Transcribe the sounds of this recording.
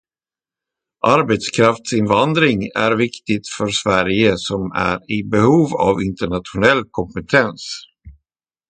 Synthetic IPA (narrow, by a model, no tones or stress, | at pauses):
ʔaɾbɛt̪skʰɾaft̪sɪnvand̪ɾɪŋæ̰ɾvɪkt̪ɪt̪fœɾsvæɾjəsɔmæ̰ɾɪbɛhuːva̰vɪnt̪əɳat̪ɧʊnɛlːkʰɔmpɛt̪ʰɛns